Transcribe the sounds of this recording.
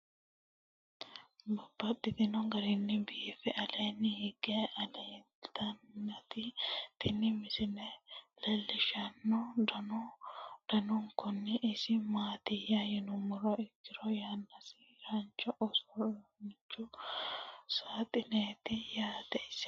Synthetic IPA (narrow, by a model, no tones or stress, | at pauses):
bʊb̥ːɐt̪ːɪt̪ɪnɔŋɡɐɾɪnːɪbiːfɛʔɐleːnːɪhɪɡeʔɐleː | t̪ɐnːɐt̪it̪ɪnːɪmɪsɪnɛlɛlːɪʃɐnːɔd̪ɐnɔd̪̥ɐnʊŋkʊnːɪʔɪsɪmaːt̪ɪjajɪnʊmʊɾɔɪkːɪɾɔjanːɐsi | ɾant͡ʃɔʔɔsɔt͡ʃːʊ | saːt̪ʼɪneːt̪ɪjaːt̪ɛɪs